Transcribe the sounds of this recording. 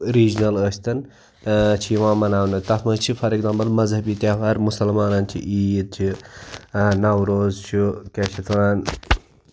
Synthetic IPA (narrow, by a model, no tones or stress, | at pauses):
ɾiːd͡ʒnɐləst̪ɐn | t͡ʃʰiʋãːmɐnɐwnɨt̪ɐt̪mɐt͡ʃʰipʰɐɾeɡzambɐlmɐzhɐbiːt̪aːfɐɾmusɐlmaːnɐnt͡ʃʰḭʔiːjid̪̚t͡ʃʰi | nɐwɾoːzt͡ʃʰukeʃɐt̪ʰuɾɐn